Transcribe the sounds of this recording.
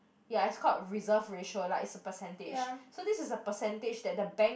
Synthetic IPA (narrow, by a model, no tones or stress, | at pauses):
jaɛskʰɔt̚ɹizəfɹeʃəlaɪtsəpəsɛ̃nted͡ʒsodisɪsəpəsɛ̃nted͡ʒdɛt̚dəbɛ̃ŋ